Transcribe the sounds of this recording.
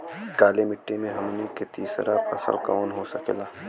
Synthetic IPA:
kaːlemɪʈːemẽɦɐmniket̪iːsɾaɐsə̰lkɔːnɦoːsɐkelaː

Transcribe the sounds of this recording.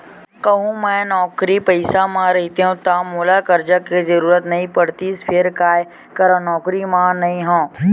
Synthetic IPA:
kəɦũmɛ̃ːnɔːkɾipəɪsamãɾɐɦit̪eɦũt̪amʊlakəɾd͡ʒakezəɾuːɾət̪nɐɦĩpɐɽ̤t̪ispʰɪɾkaːj | kɐɾãnɔːkɾimãnɐɦĩɦõː

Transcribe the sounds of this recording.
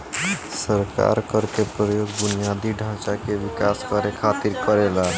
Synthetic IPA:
səɾka̰ɾkəɾkepɾəjoɡbunijad̪iɖʱãt͡ʃakeʋikaskəɾekʰat̪iɾkəɾela

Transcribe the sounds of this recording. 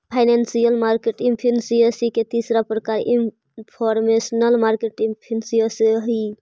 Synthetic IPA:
pʰaɪnensijəlmaɾkeʈimpʰinsijəsiket̪isɾapɾəkaɾin | pʰɔɾmesnəlmaɾkeʈimpʰinsiəsɦi

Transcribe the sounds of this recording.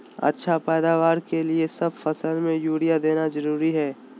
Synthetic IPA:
ə̰tːʃʰapɛːd̪aːʋaːɾkeliesɐbfɐsəlmẽjuːɽijad̪eːnazɐɾuːɾiɦɛː

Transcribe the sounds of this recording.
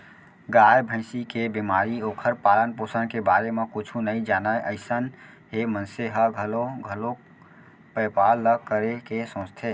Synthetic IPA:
ɡajbʱə̃ɪ̃sikebimaːɾioːkʰəɾpaːlənpoːsənkebaːɾemekʊt͡ʃʰunəĩd͡ʒaːnaeʔəɪsən | ɦemənseɦəɡʱəloɡʱəlo | pəpalːəkːəɾekesõːt͡ʃt̪ʰe

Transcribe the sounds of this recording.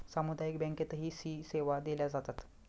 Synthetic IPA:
samud̪ajikbɛ̃ŋket̪əɦiːsiːseʋad̪eljad͡zat̪at̪

